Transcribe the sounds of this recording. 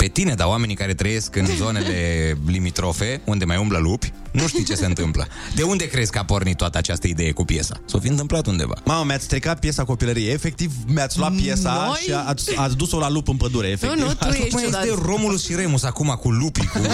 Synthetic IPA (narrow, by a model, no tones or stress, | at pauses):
pe̞t̪ine̞d̪aoame̞nikaɾe̞t̪ɾəje̞skɨnzo̞ne̞lle̞limit̪ɾo̞fe̞und̪e̞majumbləlupʲnuʃt̪ijt͡ʃe̞seɨnt̪ɨmplə̰ | d̪e̞und̪e̞kɾesʲkəapo̞rnit̪ːoat̪əat͡ʃast̪əid̪e̞jekupje̞̰sa̰sofiɨnt̪̬ɨmplat̪und̪ḛva̰maməmeat̪sʲst̪ɾikat̪̚pje̞sako̞piləɾijeːfe̞k̚t̪ivmjat̪sʲluat̪̚pːje̞saʃiat̪sʲat̪sʲd̪uso̞lalupɨnpəd̪uɾeefekt̪vet̪ero̞muluʃiɾemusakumakulupiku